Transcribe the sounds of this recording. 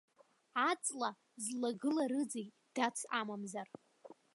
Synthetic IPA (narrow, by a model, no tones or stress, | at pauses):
at͡sʼla | zlaɡɨlaɾɨd͡ze | d̥at͡sʷʰamamzar